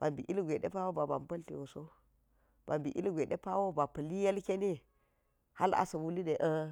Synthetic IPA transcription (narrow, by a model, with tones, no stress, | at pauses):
b̥a˨mbḭ˨ʔi˦lɡʷe˨ɗḛ˦pa˦wo˦ba˨ba̰˨mpɐ˦li˨wo˨so˦ | b̥a˨mbi˨ʔḭ˦lɡʷe˨ɗe˦pa˦wo˦ba˨pɐ˨li˦je˦lke˦ni˦ | ha˦la̰˨sɐ˨wu˦li˦de˨ʔə˦